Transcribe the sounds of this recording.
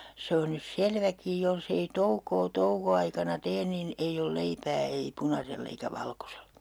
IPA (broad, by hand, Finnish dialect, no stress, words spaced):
se on nys selʋækij jolsei toukoː toukoɑikɑnɑ teːn nin eij ol leipæː ei punɑselː eikæ ʋɑlkoselɑ̥